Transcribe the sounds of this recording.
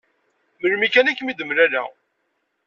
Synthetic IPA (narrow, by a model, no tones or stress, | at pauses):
məɾmikænækːmid̪əmɾælæ̰